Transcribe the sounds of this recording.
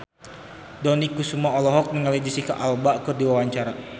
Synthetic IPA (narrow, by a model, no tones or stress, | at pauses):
dɔnikusumaɔlɔɦɔk̚məŋalɛd͡ʒisikaʔalbaʔkɨrdiwawaɲt͡ʃaɾa